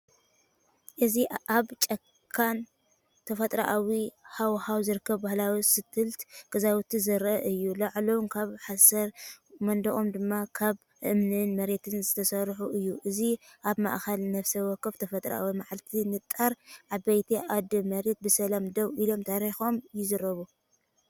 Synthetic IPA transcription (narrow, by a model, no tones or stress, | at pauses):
ʔɨziaβt͡ʃʼɐkʰːan | t̪ʰɐfɐt̪ʼɾaʔawihawhawzɨɾɨkʰːɐβbahlawisɨt̪ʰɨlt̪ɡ̥ɐzawt̪ʰizɨɾʔɐʔɨjːulɐʕlownkʰaβħasɐɾmɐnd̪ɐʔomd̪ɨmːakʰaβ | ʔɨmnɨnmɐɾe̞t̪ʰɨnzɨt̪ʰɐsɐɾħuʔɨjːuʔɨziʔaβma̰ʔxɐlnɐfsɐwɔkʰːɐβt̪ʰɐfɐt̪ʼɾɐ̰ʔa̰wimaʕalt̪ʰinɨt̪ʼːaɾʕabɐjt̪ʰiʔad̪ɨmɐɾe̞t̪̚bɨsɐlamd̪ɐβʔilo̞mt̪ʰaɾixo̞mjɪzɐɾɐβu